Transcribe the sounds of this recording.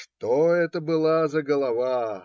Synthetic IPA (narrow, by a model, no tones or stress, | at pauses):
ʂt̪oɛt̪əbɨlˠazəɡəlˠɐva